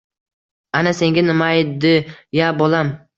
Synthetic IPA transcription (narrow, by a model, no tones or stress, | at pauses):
anase̞ŋɡʲanɪmad̪ɪjabolam